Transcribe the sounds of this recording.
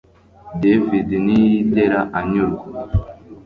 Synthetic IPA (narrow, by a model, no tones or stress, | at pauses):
devidnijideɾaʔaɲuɾ